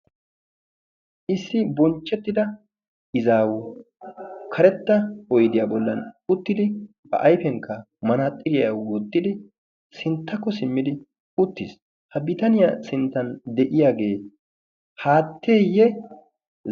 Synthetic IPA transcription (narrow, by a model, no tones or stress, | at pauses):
ʔɪsːɪbɔnt͡ʃːɛt̪ːɪd̪ɐ | ɪzaːwʊ | kʰɐɾɛt̪ːɐɔjd̪ɪjaːbɔlːɐnʊt̪ːɪd̪ɪ | bɐ̰ʔɐjfɛŋkʰːɐ | mɐnaːt̪ʼːɪɾɪjawwoːt̪ʼːɪd̪ɪ | sɪnt̪ːɐkːɔsɪmːɪd̪ɪ | ʊt̪ːɪs | hɐbɪt̪ɐnɪjasɪnt̪ːɐnd̪ɛʔɪjaːɡe̞ː | haːt̪ːeːjːɛ